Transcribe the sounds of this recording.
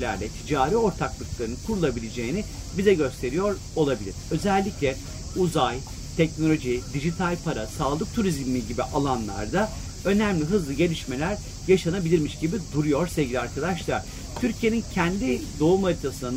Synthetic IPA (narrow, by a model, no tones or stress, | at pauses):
lʲæ̰ɾlʲɛt̪ʰid͡ʒaːɾiːo̞ɾt̪ʰaklˠɯklˠaɾɯnɯnkʰuɾulˠabilʲed͡ʒe̞jinibizɛɟø̞st̪ʰe̞ɾijo̞ɾ | o̞lˠabilʲḭɾ̥ø̞zælʲːiclʲɛ | uzaj | t̪ʰɛcno̞lʲo̞ʒid̪iʒit̪ʰalʲpʰaɾasaːlˠɯk̚t̪ʰuɾizmiiɟibiʔalˠanlˠa̰ɾd̪a | ø̞næmlʲiɦɯzlˠɯɟe̞lʲiʃme̞lʲæɾ | jaʃanabilʲiɾmiʃɟibid̪uɾujo̞ɾsevɟʲilʲiaɾkad̪aʃlˠaɾ̥ | t̪ʰyɾcʰije̞nincʰɛnd̪id̪o̞umaɾit̪ʰasɯna